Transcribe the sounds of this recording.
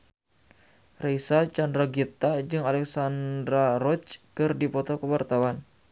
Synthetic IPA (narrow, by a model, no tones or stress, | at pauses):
reisat͡ʃandɾaɡit̪ad͡ʒɨŋalɛksandɾarɔt͡ʃkɨrdipɔt̪ɔkəwart̪awan